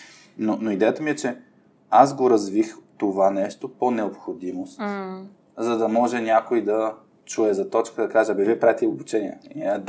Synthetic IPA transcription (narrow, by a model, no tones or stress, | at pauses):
nonoid̪ɛjət̪əmiɛt͡ʃɛ | asɡoɾɐzvixt̪ovanɛʃt̪oponɛopxod̪imost̪ | zɐd̪ɐmɔʒɛnʲakoid̪ɐ | t͡ʃuɛzɐt̪ɔt͡ʃkəd̪ɐkaʒɛɐbiviɛpɾaɛt̪iobut͡ʃɛniɛ̰d̪